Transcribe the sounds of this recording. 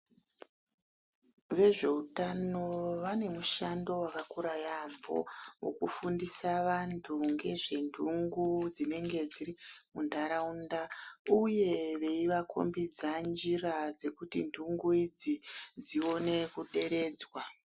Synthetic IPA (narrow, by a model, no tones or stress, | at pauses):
ʋe̞ʐe̞utano̞ʋane̞muʃando̞wakakuɾajambo̞̰wo̰kufundisaʋantʰuŋɡe̞ʐe̞ndʱuŋɡud͡zine̞ŋɡe̞d͡ziɾimundʱaɾaundauje̞ʋe̞iʋakʰo̞̰mbid͡zand͡ʒirad͡ze̞kutḭndʱuŋɡuid͡zid͡zio̞ne̞kuɗe̞ɾe̞ːd͡zwa